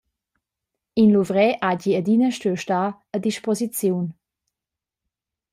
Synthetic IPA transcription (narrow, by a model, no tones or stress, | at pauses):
inluvʁɛʔaɟiədinəʃtøʃtaː | ədiʃpɔzit͡sjuwn